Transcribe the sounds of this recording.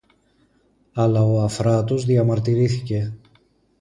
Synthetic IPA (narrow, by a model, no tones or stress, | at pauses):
ɐlɐo̞ɐfɾɐt̪uzðiɐmɐɾt̪iɾiθice̞